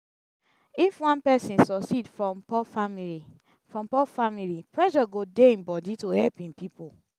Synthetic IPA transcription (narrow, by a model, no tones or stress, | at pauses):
ifwãnpɛsĩnsɔksidfɹɔ̃mpɔfamili | fɹɔ̃mpɔfamilipɹɛʃɔɡodeĩnbɔditohɛlpĩnpipo